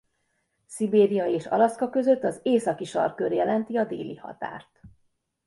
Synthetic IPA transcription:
sibeːɾijɒeːʃɒ̰lɒskɒkø̞zø̞t̪ːɒzeːsɒkiʃɒ̰rkørjɛlɛnt̪iɒd̪ḛːlḭhɒ̰t̪a̰ːrt̪

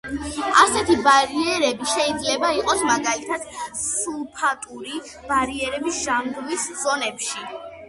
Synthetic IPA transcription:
asɛt̪ʰibaɾiɛɾɛbiʃɛid̪zlɛbaiqʼɔsmaɡalit̪ʰad̪̥sulˠpʰat̪ʼuɾi | b̥aɾiɛɾɛbisʒamɡmisz̥ɔnɛpʃi

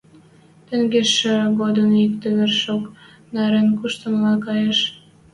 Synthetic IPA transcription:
t̪ə̆ŋɡeʃøɣod̪ənik̚t̪ĕβerʃok | nɑɾenkuʃt̪ə̆mlɑnkɑjeʃ

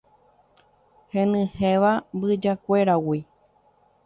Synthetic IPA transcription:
hẽnɨ̃heʋabɨd͡ʒakʷe̞ɾawi

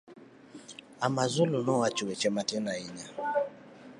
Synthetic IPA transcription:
amazulunɔwat͡ʃuwɛt͡ʃɛmatɛnaiɲa

